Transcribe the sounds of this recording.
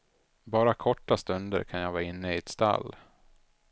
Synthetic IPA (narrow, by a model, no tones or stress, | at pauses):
bɑːɾakʰɔʈːast̪ɵnd̪ə̰ɾkʰanjaɡvɑːɾɪnːəɪɛt̪st̪a̰lː